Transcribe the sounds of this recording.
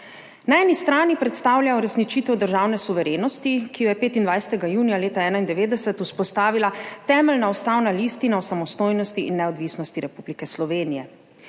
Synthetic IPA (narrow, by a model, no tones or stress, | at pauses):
naɛːnist̪ɾaːnipɾɛt̪st̪aːwljajɔɾɛsnit͡ʃiːt̪ɛwd̪əɾʒaːwnɛsuʋɛɾeːnɔst̪ikijɔjɛpeːt̪ind̪ʋajsɛ̥t̪ɛɡajuːnijaleːt̪aɛːnaind̪ɛʋeːd̪ɛsɛt̪uspɔst̪aːʋilat̪ɛːmɛlnaɔst̪aːwnalist̪inaɔsamɔst̪oːjnɔst̪iʔinːɛɔd̪ʋisnɔst̪iɾɛpublikɛslɔʋeːnijɛ